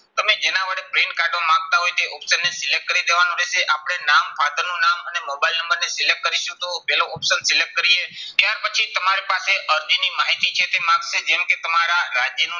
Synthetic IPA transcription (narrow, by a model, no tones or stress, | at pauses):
t̪əmed͡ʒenaʋəɽepɾeɳkaɾɖomãŋɡ̚t̪aɦojt̪eʔɔpʃənːesɪlekʈ̚kəɾid̪eʋanũɾeʃeʔapɽ̃enampʰad̪əɾnũnamənemobailnəmbəɾnesɪlek̚kəɾiʃut̪opɛloɔpʃənsɪlek̚ʈ̚kəɾiet̪jaɾpət͡ʃʰit̪əmaɾipaseʔəɾd̪inimaɦit̪it͡ʃʰet̪emãɡʃed͡ʒɛmket̪əmaɾaɾad͡ʒjənũ